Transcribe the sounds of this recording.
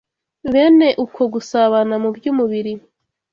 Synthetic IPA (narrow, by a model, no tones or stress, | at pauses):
βe̞ːne̞ʔukʰo̞ɡusaβanamubjuːmuβiɾi